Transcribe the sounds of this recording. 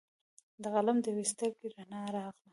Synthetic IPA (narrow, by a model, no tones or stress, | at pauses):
d̪əɣalamd̪əwist̪akiɾanɑɾɑɣla